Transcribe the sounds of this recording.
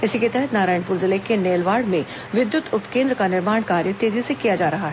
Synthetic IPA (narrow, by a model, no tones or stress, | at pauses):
ɪsiket̪ɛɦɛt̪naːɾaːɪ̃ɳpuːɾzɪlekeneːlʋaːɽmẽ | ʋɪd̪jʊt̪ʊpkẽːnd̪ɾəkanɪɾmaːɳkaːɾjət̪eːzisekijad͡ʒaːɾɐɦaɦɛ